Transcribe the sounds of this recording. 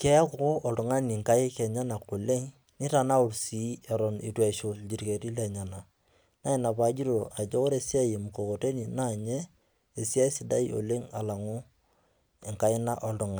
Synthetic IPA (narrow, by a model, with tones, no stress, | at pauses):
kɛ˦a˦kʊ˦ko˦ʔɔ˨ldʊ˨ŋa˦ni˨ŋka˦ɪ˦kɛ˨ɲa˦na˨ko˨le˦ŋ | nɪ˦ta˨na˦ʊ˨ɾsi˨˦a˨ɾɔ˨nḭ˨twɛ˨ʃo˨d͡ʒi˨ɾi˨ke˨ɾi˦lɛ˨ɲa˨na˨ | na˦ɪ˨na˨pa˨˦d͡ʒi˦ɾo˨ʔa˨d͡ʒo˦ko˦ɾe˨si˦a˦je˨m˨ko˨ko˨te˦ni˨na˦˨ɲɛ˦ | e˨si˦a˦ɪ˦sɪ˨da˦i˦o̰˨le˦ŋa̰˨la˨ŋʊ˦ | ɛ˨ŋka˦ɪ˦na˦ʔɔ˨ldʊ˨ŋa˨